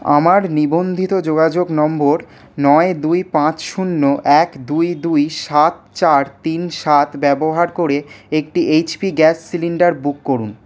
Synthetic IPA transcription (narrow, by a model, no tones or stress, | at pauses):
a̰maɾnibond̪ʱit̪od͡ʑoɡad͡ʑoɡnɔmboɾ | nɔed̪ujpãt͡ɕʃunːoʔɛkd̪ujd̪ujʃat̪t͡ɕaɾt̪inʃat̪bɛboɦaɾkoɾeekʈiʔejt͡ɕpiɡɛsːiliɳɖaɾbukːoɾun